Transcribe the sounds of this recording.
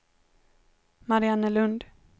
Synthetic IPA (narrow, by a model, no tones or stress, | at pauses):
maɾɪanːəlɵnd̪